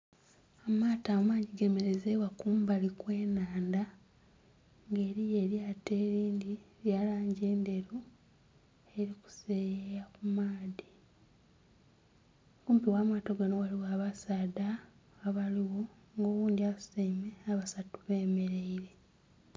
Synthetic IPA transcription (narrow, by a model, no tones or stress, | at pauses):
amaːtaomaːɟiɡeme̞ɾezewakuːmbalikwe̞ːnaːnda | ŋɡe̞ːɾijeɾiate̞ːɾiːndiɾjaːlaːɲɟeːnde̞ɾu | e̞ɾiku̥seːjejakumaːði | kuːmpiwaːmaːtoɡanowaliwaːβasaːdaː | βaliwo̞ | ŋɡo̞ːβuːndiasemeaβasatuβe̞ːmeɾe̞iɾe̞